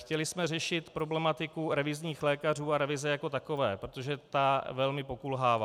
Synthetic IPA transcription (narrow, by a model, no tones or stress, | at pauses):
xcɛlɪsmɛrɛʃɪt̪pɾo̞blɛmat̪ɪkuɾɛvɪzɲiːxlɛːkar̝uːaɾɛvɪzɛjako̞t̪akovɛːpɾot̪o̞ʒɛt̪avɛlmɪpo̞kulɦaːva